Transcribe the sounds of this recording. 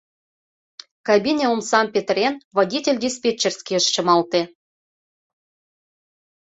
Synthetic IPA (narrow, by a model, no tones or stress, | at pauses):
kabʲinʲeumsɑmpʲet̪rʲenvodʲitʲelʲdʲespʲet͡ɕːerʲsʲkʲeəʃt͡ɕɤ̆mɑlˠt̪ĕ